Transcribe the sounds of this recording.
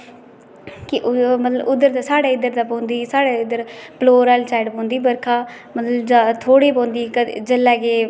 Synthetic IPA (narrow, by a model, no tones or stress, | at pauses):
kɪʔmət̪ləbʊd̪əɾt̪aːsaːɽeːɪd̪əɾd̪aːpõːnd̪iːsaːɽeːɪd̪əɾploːɾaːlt͡ʃaːɪɖpõːnd̪iːbəɾkʰaː | mət̪ləbd͡ʒat̪ʰoːɽiːpõːnd̪iːkəd͡ʒəlːɛːkeː